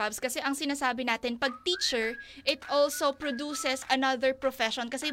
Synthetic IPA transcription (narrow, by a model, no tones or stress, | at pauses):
abskɐsɛʔɐŋsɪnaːsaːbɪnaːt̪ɪnpɐɡ̚t̪iːt͡ʃɛɹʔɪt̪ʔɔlsopɹod̪uːsɛsɐnɐðɛɹpɹofɛʃɔnkɐsɛ